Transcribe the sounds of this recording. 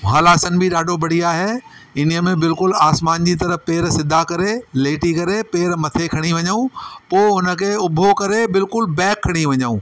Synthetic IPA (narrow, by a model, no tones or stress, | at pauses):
ɦaːlaːsənɪ̆bʱiɗaːɖʱobɐɽ̤iaːɦe | ɪnijəmẽbɪlkʊlaːsmaːnd͡ʑit̪̬ɐɾəpeːɾsɪd̪ʱːakɐɾeleːʈikɐɾepeːɾmɐt̪ʰekʰɐɽ̃iʋɐɲaũpoːʊnə̆kʰeːʊbʱokɐɾebɪlkʊlbɛ̃ːkʰːɐɽ̃iʋɐɲaṵ̃ː